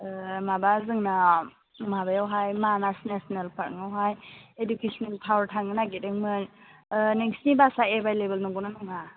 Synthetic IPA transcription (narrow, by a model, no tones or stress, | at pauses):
mabazɯŋna | mabajawɦajmanasnesɔnelpʰaɾɯŋawɦajedukesʰɔneltʰawaɾtʰaŋɯnaɡidɯŋmɯn | neŋsnibasaebʱajlebelnɔŋɡunanɔŋa